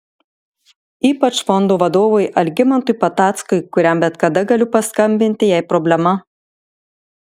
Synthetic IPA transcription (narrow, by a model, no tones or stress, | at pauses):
iːpɐt͡ʃfɔnd̪oːʋɐd̪oːʋoɪʔɐlʲɡʲɪmɐnt̪ʊɪpɐt̪ɑːt̪skʊɪkʊɾʲɛˑmbʲɛt̪kɐd̪ɐɡɐlʲʊpɐskɐmʲbʲɪnʲt̪ʲɪjæɪpɾɔbʲlʲɛmɐ